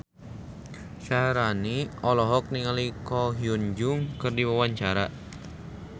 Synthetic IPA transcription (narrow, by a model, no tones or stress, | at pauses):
ʃaɾaniɔlɔɦɔk̚niŋalikɔɦiund͡ʒʊŋkɨrdiwawaɲt͡ʃaɾa